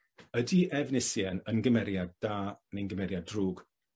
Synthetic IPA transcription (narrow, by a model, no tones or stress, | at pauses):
ədiʔɛvnɪsjɛnənɡəmɛɾjad̚d̥aːnenɡəmɛɾjadruːɡ̥